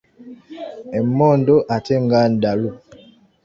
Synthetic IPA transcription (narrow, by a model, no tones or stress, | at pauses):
ɛmːɔndoʔateŋɡan̩dalu